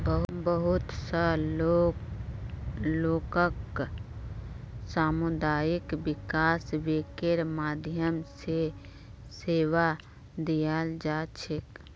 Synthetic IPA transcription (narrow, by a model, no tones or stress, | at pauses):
bəɦbəɦut̪səo | loːkək | saːmʊd̪aːjikbɪkaːsʋekeɾmaːd̪ʱjəmse | seːʋa | d̪ijald͡ʒaːt͡ʃʰek